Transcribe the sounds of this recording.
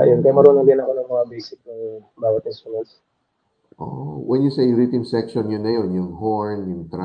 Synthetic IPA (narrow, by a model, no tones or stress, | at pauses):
ʔɐ̰jonkɐjamɐɾoːnʊŋbɐnɐkonɐŋmɐŋabejsɪk̚nɐŋbaːɡɐt̪ɛsonɐls | ʔo̰wɛnjʊsejɾit̪ɪŋsɛkʃonjʊnːɐjonjʊŋhoɹnjʊŋt̪ɾa